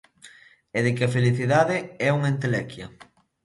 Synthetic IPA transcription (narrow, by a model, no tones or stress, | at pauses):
eðɪkeɐfeliθiðaðɪɛuŋent̪elɛkjɐ